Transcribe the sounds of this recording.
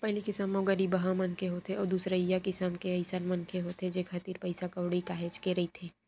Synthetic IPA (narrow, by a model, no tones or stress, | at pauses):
pɐɦlikɪsəmoɡəɾibɐɦãmɐnkʰeɦoːt̪eɔːɾd̪uːsɾaɪjakɪsamkeɐɪsanmɐnkʰeɦoːt̪ɦed͡ʒekʰat̪iːɾpɐɪsakɐwɽikaːɦeːt͡ʃkeɾɐit̪ʰeː